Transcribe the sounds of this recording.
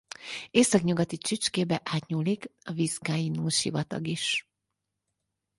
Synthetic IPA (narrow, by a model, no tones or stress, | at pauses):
eːsɒkɲuɡɒt̪it͡ʃit͡ʃkeːbɛʔaːt̪ɲuːlikɒviskaːjinuːʃḭvɒt̪ɒ̰ɡiʃ